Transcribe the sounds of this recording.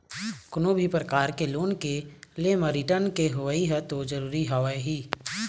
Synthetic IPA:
kʊnobʱipɾəkaːɾkeloːnkeleməɾiʈənkeɦʊʋəiɦɛt̪od͡ʒəɾuːɾiɦaʋeɦiː

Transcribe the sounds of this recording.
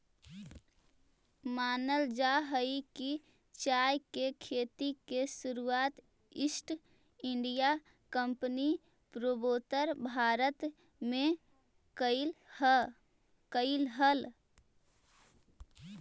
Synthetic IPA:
maːnəld͡ʒaɦəiki | t͡ʃajkekʰeːt̪ikesuɾuaːt̪ | ɪsʈ | ɪɳɖija | kəmpni | pɾoboːt̪əɾbʱaːɾət̪ | mẽ | kə | kəɪlɦəl

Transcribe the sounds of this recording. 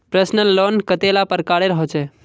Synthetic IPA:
pɾəsnəlːonkət̪elapəɾkaɽeɾəɦɔt͡ʃʰɛ

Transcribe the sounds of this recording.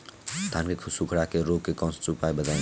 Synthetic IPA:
t̪ʰankekʰusukʰɽakeɾoɡ̚kekʌ̃st͡ʃupajbəd̪aj̃

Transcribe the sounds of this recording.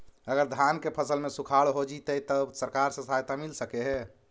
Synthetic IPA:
əɡəɾd̪ʱankepʰəsəlmesukʰaɭɦod͡ʒit̪əit̪əbsəɾkaɾsə̃sajt̪amilsəkeɦɛ

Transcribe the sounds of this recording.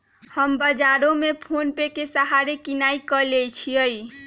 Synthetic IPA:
həmbəd͡ʒaɾomepʰonpekesəɦaɾekinaikəlejt͡ʃʰiəj

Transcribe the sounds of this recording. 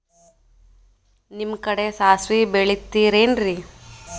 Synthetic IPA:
nimkɐɽe̞saːsʋibeɭit̪ːiːɾeːnɾi

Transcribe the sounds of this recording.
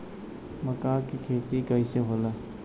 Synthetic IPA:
mɐkaːkikʰeːt̪ikɐiseɦoːla

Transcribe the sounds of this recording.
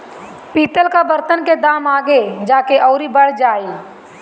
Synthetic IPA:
piːt̪əlkabəɾt̪ənked̪aːmaːɡed͡ʒaːkeʔɔːɾibəɽ̤d͡ʒaːiː

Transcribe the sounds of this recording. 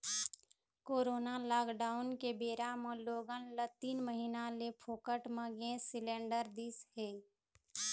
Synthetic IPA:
koːɾoːnalaːkɖaʊnkebeːɾameloːɡənlət̪iːnməɦinalepʰoːkəʈmə̃ɡẽsilẽɳɖəɾd̪ishe

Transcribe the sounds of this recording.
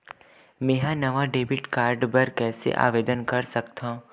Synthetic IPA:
mẽːɦãnɐʋaɖeːbɪʈkaːɾɖbɐɾkɛːsḛʔa̰ːʋeːd̪ənkɐɾsɐkt̪ʰã

